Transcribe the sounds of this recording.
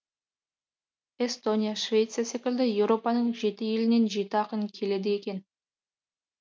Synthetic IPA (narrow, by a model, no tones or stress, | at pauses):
e̞st̪o̞nʲijaʃvʲe̞t̪sɨijase̞kʲɪld̪ɪje̞wɾo̞pɑnəɴʒe̞t̪ɪje̞lɪne̞nʒit̪ɪɑqənkʲʰe̞le̞d̪ɪe̞kʲe̞n